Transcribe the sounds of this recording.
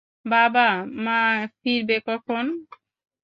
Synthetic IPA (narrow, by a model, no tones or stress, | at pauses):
babamãfʰiɾbekɔkʰon